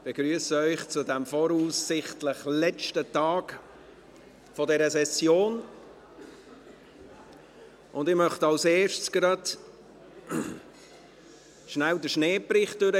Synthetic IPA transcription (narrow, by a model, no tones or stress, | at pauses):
b̥eɡɾyəsəœʏχt͡sʊdɛmfɔɾuːsːɪχtləχlɛt͡ʃtətɑːk | fɔdɛɾəsɛsjoːn | ʔʊndɪʁmœχtɑwseːʃsɡ̥ɾɑd | ʃnæwdəʃneːpɾɪχt̚d̥ʏɾə